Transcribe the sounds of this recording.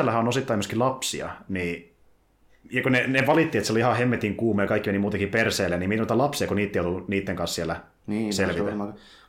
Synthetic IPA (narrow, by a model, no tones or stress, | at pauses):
ælːæhæonosit̪ːɑimøskilɑpsiɑ̰niː | jɑkoneneʋɑlit̪ːiet̪seoliihɑhemːet̪iŋkuːmːˑojɑkɑikːimenimuːt̪ɑkiperseːlːeniminoit̪ɑlɑpsiɑkoniːt̪ːejot̪uniːt̪ːeŋkɑnssielːæ | nselʋiæ